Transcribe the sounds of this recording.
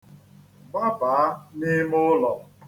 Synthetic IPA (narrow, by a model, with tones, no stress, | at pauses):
ɡ͡ba˦ba˨a˦ni˦mʊ˦lɔ˨